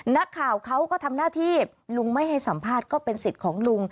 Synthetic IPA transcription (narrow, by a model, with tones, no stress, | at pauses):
na˦˥kʰːaː˨˩wkʰa˦˥wkɔː˥˩t̪ʰa˧mnaː˥˩t̪ʰiː˥˩ | lu˧ŋma˥˩jɦa˥˩jsa˩˦mpʰaː˥˩t̪̚kɔː˥˩pe˧nsi˨˩t̪̚kʰɔː˩˦ŋlu˧ŋ